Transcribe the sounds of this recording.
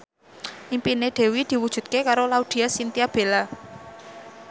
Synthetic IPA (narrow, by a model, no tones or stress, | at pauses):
ʔimpineɖ̪̥e̤wid̪̥i̤wud̥ʒ̥ṳt̪̚kekaɾolaud̪̥i̤asint̪iab̥e̤la